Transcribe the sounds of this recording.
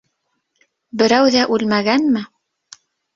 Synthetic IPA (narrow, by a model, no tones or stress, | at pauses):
bɘ̆ɾæwðæʔʉlmæɡænmɘ